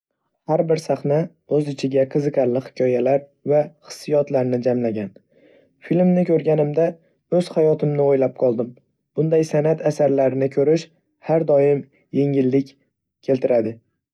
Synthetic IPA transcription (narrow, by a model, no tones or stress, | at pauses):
haɾbɪɾsaχna | ɵzɪt͡ʃʰɪɡʲaqʰɨzɨqʰɑɾlɪhɪ̥kʲʰɒjalaɾvaχɨ̥sːijɒt̪laɾnɪd͡ʒamlaɡʲan | filmnɪkʲʰɵɾɡʲanɪmd̪a | ɵz̥hajɒt̪ʰɪmnɪojlap̚qʰɒlˠd̪ɪm | b̥ʊnd̪ajsanat̪ʰasaɾlaɾɪnɪkʲʰɵɾɪʃ | haɾd̪ɒjɪm | je̞ŋɪlːɪkʲ | kʲʰe̞lt̪ʰɪɾʔad̪ɪ